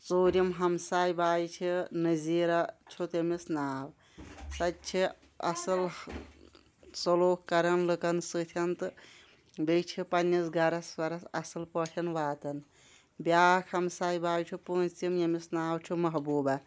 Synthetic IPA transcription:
soːɾjimɦɐmsaːjbaːjt͡ʃʰinɐziːɾat͡ʃʰot̪emisnaːw | sɐtt͡ʃʰi | ɐ̰sɐl | sɐloːkkːɐɾɐnlɨkɐnsɨt̪ʰɐnt̪ | bet͡ʃʰipɐnːisɡɐɾɐsʋɐɾɐsɐsɐlpəʈʰɐnʋaːt̪ɐn | bjaːkʰhɐmsaːjbaːjt͡ʃʰupũːnt͡simjɐmisnaːwt͡ʃʰumɐɦbuːbɐ

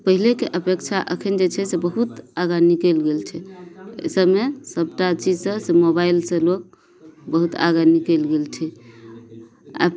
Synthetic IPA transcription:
pəɦilekeʔəpekt͡ʃʰaʔə̰kʰind͡ʒet͡ʃʰɛsebəɦut̪aɡanikelɡelt͡ʃʰɛ̰ | səbmesəb̚ʈat͡ʃid͡ʒsə̃semobailsə̃lok̚ | bəɦut̪a̰ɡanikelɡelt͡ʃʰɛ | a̰

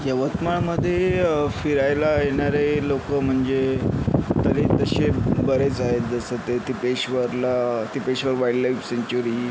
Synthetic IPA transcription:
jəʋət̪maɭməd̪ʱːjefiɾajlajeɽ̃aɾelokəm̤əɳd͡ze | t̪əɾet̪əɕebəɾet͡saɦet̪d͡zəsət̪et̪ipeɕʋəɾlat̪ipeɕʋəɾʋaiɽlajfseɲt͡ɕuɾiː

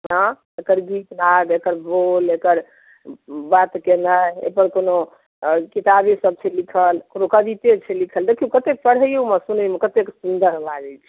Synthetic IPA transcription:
ɦã | ekəɾɡit̪nad̪ekəɾbolekəɾ | bat̪kenajḛpəɾkono | kit̪abisəb̚t͡ʃʰɛlikʰəlkonokəd̪it̪et͡ʃʰɛlikʰəld̪ekʰiukət̪ek̚pəɽɦəjeuməsunəmekət̪eksund̪əɾlad͡ʒɛt͡ʃʰɛ̥

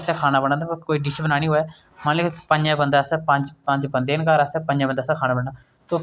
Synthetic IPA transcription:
sɛːkʰaːnaːbəɽ̃ãːd̪koːiːɖɪʃbənaːnĩːɦoːɛː | manlekpəɲd͡ʒãːbənd̪aːsɛːpə̃ɲd͡ʒpə̃ɲd͡ʒbə̃nd̪eːnkaɾəsɛːpə̃ɲd͡ʒãːbənd̪aːsɛːkʰaːnaːbəɽaː | t̪oː

